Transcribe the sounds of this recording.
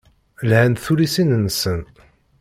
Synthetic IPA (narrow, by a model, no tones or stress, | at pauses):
lhænθuɾisinənːsən